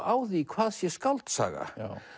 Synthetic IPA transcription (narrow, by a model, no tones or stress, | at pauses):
aːwðikʰvaːðsjɛskawlt̪sa̰ːɣa̰